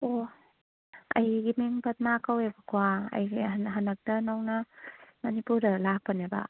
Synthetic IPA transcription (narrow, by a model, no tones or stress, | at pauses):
o | ɐ̰jɡimiŋpʰɐt̚makawebɐkʰowaɐ̰jɡiɦɐnɐk̚dɐnawnɐmɐnipuɾɐlak̚pɐnebɐ̰